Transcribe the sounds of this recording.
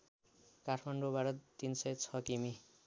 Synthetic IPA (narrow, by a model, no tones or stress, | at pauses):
kaʈʰmaɳɖobaɾʌt̪insʌjt͡sʰʌkimi